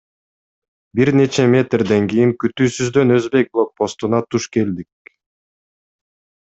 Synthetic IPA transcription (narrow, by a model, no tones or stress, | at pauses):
biɾne̞t͡ʃe̞mʲe̞t̪rd̪e̞ŋkijiŋkyt̪yːsyzd̪ø̞nø̞zbe̞jk̚blˠo̞k̚po̞st̪unɑt̪ʰuʃke̞ld̪ik̚